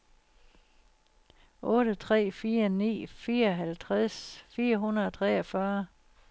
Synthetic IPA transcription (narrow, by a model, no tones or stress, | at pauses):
ʔɔ̽ːɾ̥ət͡sʰʁɛ̰ːfiːɐnḭːfiːɐɒ̽ɦælt͡sʰʁasfiːɐɦunɐð̩ˠɒt͡sʰʁɛɐfɶɐ